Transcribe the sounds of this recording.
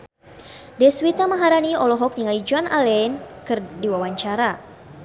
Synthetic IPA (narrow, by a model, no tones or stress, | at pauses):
dɛswit̪amaɦaɾaniɔlɔɦɔk̚niŋalid͡ʒuanalɛnkɨrdiwawaɲt͡ʃaɾa